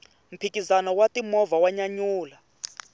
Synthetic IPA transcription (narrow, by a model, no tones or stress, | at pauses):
m̩pʰikizanɔwatimɔvawaɲaɲuːla